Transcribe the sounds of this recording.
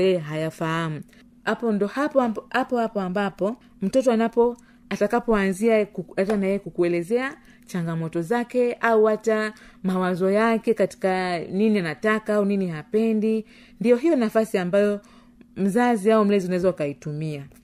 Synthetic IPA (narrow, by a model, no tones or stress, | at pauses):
jɛɦajafaham̩ | apɔndɔhaphapɔhapɔambapɔ | m̩tɔtɔanapɔ | atakapɔanziaatanajɛjɛkukuɛlɛzɛa | t͡ʃaŋɡamɔtɔzakɛauhata | mawazɔjakɛkati̥kaninianatakaauninihapɛndi | ndijɔɦijɔnafasiambajɔ | m̩zaziaɔm̩lɛziunaɛzaukaitumia